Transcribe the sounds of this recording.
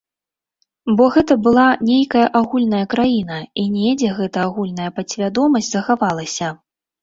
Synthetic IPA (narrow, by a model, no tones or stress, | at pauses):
bɔɣɛt̪ɐbɨlˠanʲejkɐjɐʔaɣulʲnɐjɐkɾajinɐinʲɛd͡zʲɛɣɛt̪ɐaɣulʲnɐjɐpɐsʲvʲad̪ɔmɐsʲtʲzɐxavalˠɐsʲɐ